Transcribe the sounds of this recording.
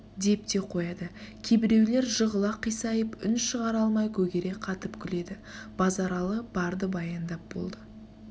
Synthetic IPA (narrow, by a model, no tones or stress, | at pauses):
d̪e̞p̚t̪e̞qʰo̞jɑd̪əkʲʰebɪɾe̞wle̞ɾʒəʁəlˠɑqːijsɑjəpʏnʃəʁɑɾɑlˠmɑjkʲʰɵɡʲe̞ɾeqʰɑt̪əpkʲʰʏle̞d̪ɪ | b̥ɑzɑɾɑlˠəb̥ɑɾd̪əbɑjɑnd̪ɑp̚bo̰lˠd̪ə